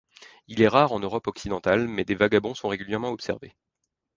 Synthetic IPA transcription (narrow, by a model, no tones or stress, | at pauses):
ilɛʁaʁɑ̃nøʁɔpɔksid̪ɑ̃t̪almɛd̪evaɡabɔ̃sɔ̃ʁeɡʲyljɛʁmɑ̃ɔpsɛ̰ʁvḛ